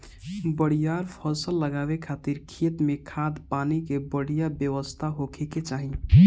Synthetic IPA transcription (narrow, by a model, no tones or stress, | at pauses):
bəɽ̤ijaɾpʰəsəlːəɡabekʰat̪iɾkʰet̪mekʰad̪panikebəɽijabjəʋəst̪ʰaɦokʰeket͡ʃaɦi